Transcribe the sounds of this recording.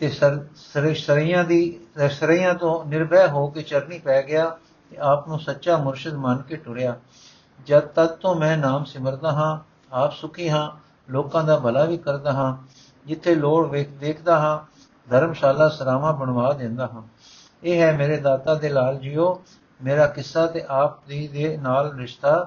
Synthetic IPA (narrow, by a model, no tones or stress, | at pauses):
t̪eːsəsɾsəɾijãːd̪iːsəɾiːjãːt̪õːnɪɾbɛːɦoːkeːt͡ʃəɾniːpɛːɡɪjaː | t̪eːaːpnõːsətːʃaːmʊɾʃəd̪mənkeːʈʊɾɪjaː | d͡ʒət̪əd̪t̪õːmɛ̃ːnaːmsɪməɾd̪aːɦãː | aːpsʊkʰiːɦãː | loːkãːd̪aːbəlaːʋiːkəɾd̪aːɦãː | d͡ʒɪt̪ʰːeːloːɽʋeːkd̪eːkʰd̪aːɦãː | d̪ʱəɾmʃaːlaːsəɾaːmãːbəɳʋaːd̪ẽːnd̪aːɦãː | eːɦɛːmeːɾeːd̪aːt̪aːd̪eːlaːld͡ʒiːoː | meːɾaːkɪsːaːt̪eːʔaːp̚d̪iːd̪eːnaːlɾɪʃt̪aː